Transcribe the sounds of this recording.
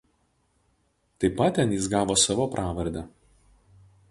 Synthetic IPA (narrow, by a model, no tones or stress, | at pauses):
t̪ɐɪpɐt̪ːʲɛnjɪsɡɑːʋoːsɑʋoːpɾʔɑːʋɐɾʲd̪ʲɛ